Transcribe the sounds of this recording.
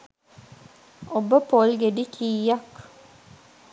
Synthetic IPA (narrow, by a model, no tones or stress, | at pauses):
obəpolɡeɖikʰiːjak